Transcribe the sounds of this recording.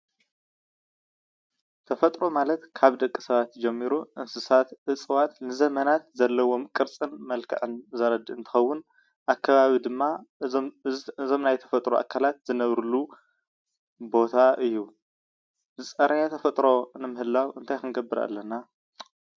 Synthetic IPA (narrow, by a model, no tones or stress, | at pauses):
t̪ʰɐfɐt̪ʼɾo̞malɐt̪kʰaβd̪ɐkʼːisɐβat̪d͡ʒɛmːiɾuʔɨnsɨsat̪ʔɨt͡sʼɨwat̪nɨzɐmɐnat̪zɐlːɐwo̞mkʼɨɾt͡sʼɨnmɐlkʰɐ̰ʕɨnzɐɾɐd̪ɨɨnt̪ʰɨ̥xɐwːʊn | ʔakʰːɐβaβid̪ɨmːa | zo̞mnajt̪ʰɐ̥fɐt̪ʼɾoʔa̰kʰːalat̪zɨnɐβɾɨlu | bo̞t̪ʰaʔɨjːu | zɨsʼɐɾjat̪ʰɐfɐt̪ʼɾo̞nɨmɨhɨlːawɨnt̪ʰajkɨnɡɐbːɨɾa̰lːɐna